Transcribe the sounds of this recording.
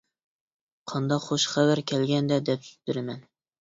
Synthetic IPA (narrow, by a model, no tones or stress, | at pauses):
qʰɑnd̪ɑqχoʃχævæɾkʲʰɛlɡʲɛnd̪ɛd̪ɛpsy̥zt̪yɾɪmɛn